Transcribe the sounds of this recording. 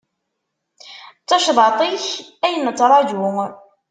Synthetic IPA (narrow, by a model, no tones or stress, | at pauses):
t͡sːɑʃðˤɑt̪ˤiçæjənːət͡sːɾˤɑd͡ʒu